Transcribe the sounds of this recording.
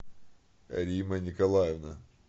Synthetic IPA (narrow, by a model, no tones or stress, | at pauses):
ɐ̰ɾʲimɐnʲɪkɐlˠajɛvnɐ